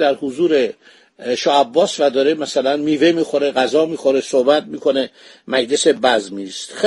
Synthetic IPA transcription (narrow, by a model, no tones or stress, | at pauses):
d̪æɾhuzuːɾe̞ | ʃɒːæbːɒːsvæd̪ɒːɾemæsælænmiːve̞miːxo̞ɾeɣæzɒːmiːxoɾesohbæt̪̚miːkʰo̞ne̞ | mæd͡ʒd̪ese̞bæzmist̪x